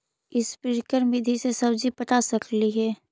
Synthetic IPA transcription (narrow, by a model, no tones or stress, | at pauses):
ɪspɪɾkəɾmid̪ʱisesɐbd͡ʒipɐt̪asɐkʰliɦɛː